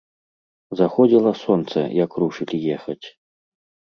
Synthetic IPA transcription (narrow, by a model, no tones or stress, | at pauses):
zaxɔd͡zʲilˠɐsɔnt̪sɐ̰jɐkɾuʂɨlʲijɛxɐt͡sʲ